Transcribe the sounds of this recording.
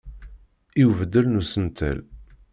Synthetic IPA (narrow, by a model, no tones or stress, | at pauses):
iwvəd̪ːəlnusənt̪ʰæ̰l